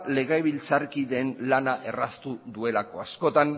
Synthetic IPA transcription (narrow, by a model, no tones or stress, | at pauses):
le̞ɣajβilt͡saɾkiðe̞nlanaʔe̞rast̪uðue̞lako̞asko̞t̪an